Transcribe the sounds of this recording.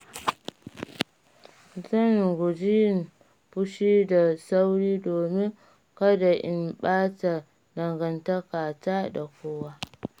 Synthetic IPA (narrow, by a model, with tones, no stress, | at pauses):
zɐ˦˨ŋɡʊ˨d͡ʒi˦˨n | bʊ˦ʃiː˦da˨sa˦wɽiː˦doː˨mɪ˦ŋ | kɐ˦da˨ʔɪ̰˦mɓaː˦ta˨ | dɐ˨ŋɡɐ˨nta˦kaː˨taː˦da˨kʷoː˦waː˦